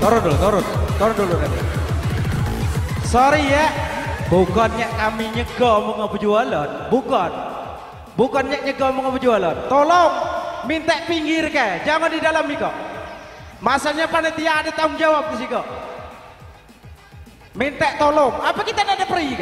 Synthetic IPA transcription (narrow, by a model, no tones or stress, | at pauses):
t̪ɔɾɔndot̪ɔɾɔnt̪ɔɾɔndolokai | sɔɾijaʔbukɔnɲaʔkamiɲəɡɔmɔŋapəd͡ʒualɔnbukɔn | bukɔnɲaʔɲəɡɔmɔŋɔpəd͡ʒualɔnt̪olɔŋmint̪ɛʔpiŋɡɪrkad͡ʒaŋandidalamikɔʔ | masaɲapanat̪ijaːdat̪aʊŋd͡ʒawap̚kəs̬ikɔʔ | mint̪ɛʔt̪olɔŋapakit̪anadapəɾik